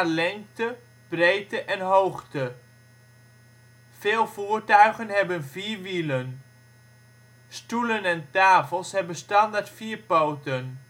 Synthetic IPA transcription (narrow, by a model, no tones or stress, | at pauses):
lɛŋk̚tə | b̥rejtəʔɛnɦowχtə | feːlˠvuːɹtœɥχənɦɛbənviːɹʋilən | stulənɛntaːfəlˠshɛbənstɑndaɹtfiːɹpowtən